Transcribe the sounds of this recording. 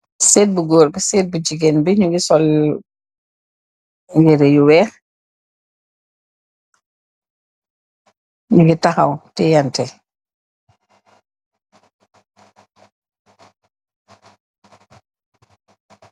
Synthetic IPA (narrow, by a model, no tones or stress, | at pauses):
sɛːt̚buɡoːɾbisɛːt̚bud͡ʒiɡenbiɲuɡisɔl | wɛɾejuwɛːx | ɲuɡitaxawtɛjantɛ